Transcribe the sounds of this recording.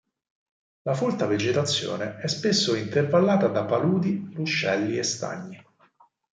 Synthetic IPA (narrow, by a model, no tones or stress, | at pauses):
lafolt̪aved͡ʒet̪at̪sːjo̰ːneɛspesːoint̪ervalːaːt̪ad̪apaluːd̪iruʃːɛlːiest̪a̰ɲːi